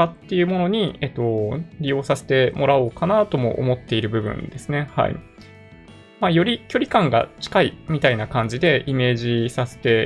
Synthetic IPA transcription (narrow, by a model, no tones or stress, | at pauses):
at̪ːe̞jɯ̟mo̞no̞ɲ̟iet̪ːo̞ɾʲijo̞ːsase̞̥t̪e̞mʔo̞ɾaoːkanat̪o̞mo̞̰ʔo̰mo̞t̪ːe̞iɾɯ̟bɯ̟bɯ̟̰̃nd̪e̞sɨne̞ha̰ḭ | majo̞ɾʲikʲo̞ɾʲikãŋɡa̰t͡ɕi̥kaimʲit̪ainakãɲ̟d͡ʑid̪e̞ime̞ːʑisase̞̥t̪e̞